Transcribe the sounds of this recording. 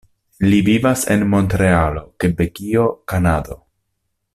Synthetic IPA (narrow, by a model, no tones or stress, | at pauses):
livivasḛnmo̞ntɾe̞alo̞kebeɡio̞kanado̞